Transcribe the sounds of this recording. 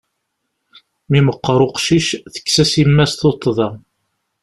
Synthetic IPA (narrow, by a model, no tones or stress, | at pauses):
miməqːəɾˤoqʃiʃθə̥kːsæsimːæsθot̪ˤːðˤɑ